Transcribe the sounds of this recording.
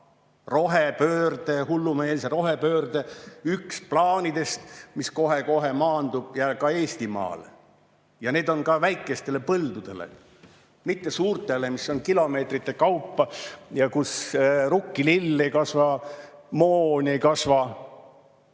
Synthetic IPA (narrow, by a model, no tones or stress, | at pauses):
ro̞ɦepø̞ːrd̪̥e̞hulːume̞ːlseɾo̞ɦepø̞ːrd̪̥eyksplɑːnid̪e̞st̪misko̞ɦe̞ko̞ɦe̞mɑːnd̪̥ub̥jɑkɑeːst̪imɑ̰ːl | jɑne̞ːd̪̥o̞nkɑvæjkːˑe̞st̪e̞le̞pɤld̪̥ud̪̥e̞̰lḛ | mit̪ːe̞suːrt̪e̞le̞misːo̞nkilo̞me̞ːt̪rit̪ːe̞kɑwpːɑjɑkusrukːililːejkɑsvɑmoːnʲejkɑsvɑ